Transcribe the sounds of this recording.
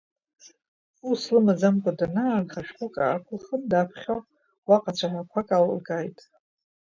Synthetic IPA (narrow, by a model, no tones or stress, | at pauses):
uslɨmazamkʷʼadanaːrχaʃχʷukʼa̰ːkʷʰʊlχəmdapʰχʲow | waqʼat͡ɕʷʰaħʷakʷʰakʼaw̰lɡajtʼ